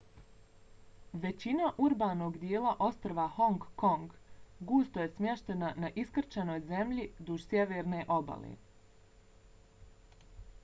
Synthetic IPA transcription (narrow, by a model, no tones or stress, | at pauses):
ʋe̞t͡ɕinaʔuɾbaːno̞ɡd̪jeːlaʔo̞st̪ɾʋaho̞ŋɡkoŋɡɡuːst̪oje̞smje̞ʃt̪e̞nanaʔiskr̩t͡ɕano̞ːjze̞mʎid̪uʒsʲjeʋeːɾne̞ʔo̞ba̰lḛ